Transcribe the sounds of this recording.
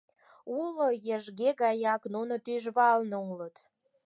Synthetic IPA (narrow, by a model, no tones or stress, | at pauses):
ulojeʒɣeɣɑjɑknunot̪yʒβɑlnoulət̪